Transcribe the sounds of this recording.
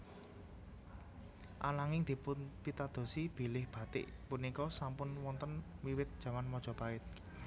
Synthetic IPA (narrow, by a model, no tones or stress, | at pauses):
ʔa̰laŋɪŋd̪̥i̤pʊnpit̪ad̪̥o̤sib̥i̤lɪhb̥ä̤t̪ɪ̰ʔpunikɔsampʊnwɔnt̪ənwiwɪt̪̚d̥ʒ̥ä̤manmɔd̥ʒ̥ɔ̤paɪt̪̚